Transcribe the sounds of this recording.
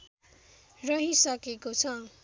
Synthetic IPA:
rʌɦisʌkekot͡sʰʌ

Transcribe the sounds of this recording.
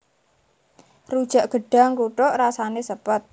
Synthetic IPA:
rud̥ʒ̥a̤ʔɡ̥ə̤ɖ̥a̤ŋkuʈoʔrasanesəpət̪̚

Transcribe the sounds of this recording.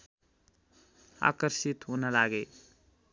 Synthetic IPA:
a̰kəɾsit̪ɦonəlaɡe

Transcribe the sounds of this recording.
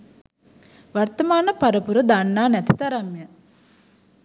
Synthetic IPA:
ʋart̪əmaːnəpaɾəpuɾəd̪anːaːnæt̪it̪aɾamjə

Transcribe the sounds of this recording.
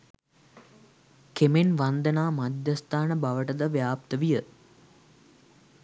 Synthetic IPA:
kemenʋand̪ənaːmad̪jəst̪aːnəbaʋəʈəd̪əʋjaːp̚t̪əʋijə

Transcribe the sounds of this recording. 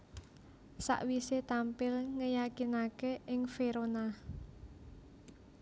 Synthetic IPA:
sa̰ʔwiset̪ampɪlŋəjakinakeʔɪŋfeɾona

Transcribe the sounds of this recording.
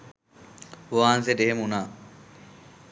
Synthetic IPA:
oʋaːnsed̪eɦemunaː

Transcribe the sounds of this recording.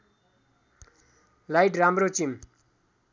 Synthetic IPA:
lajʈramɾot͡ɕim

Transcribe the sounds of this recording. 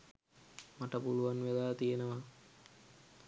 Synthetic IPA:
maʈəpuluʋanʋelaːt̪ijenəʋa

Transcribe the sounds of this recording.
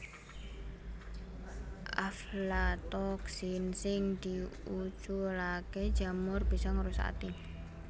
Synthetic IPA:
ʔaflat̪ɔksinsɪŋd̪̥iut͡ʃulake̥d͡ʒa̤mʊrb̥isɔŋəɾusa̰t̪i

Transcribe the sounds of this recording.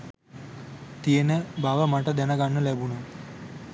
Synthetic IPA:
t̪ijenəbaʋəmaʈəd̪ænəɡanːəlæbunə

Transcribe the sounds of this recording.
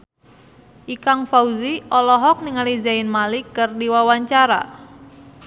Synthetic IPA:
ʔikaŋfauziʔɔlɔɦɔk̚niŋalizaɪnmalikːərdiwawaɲt͡ʃaɾa̰

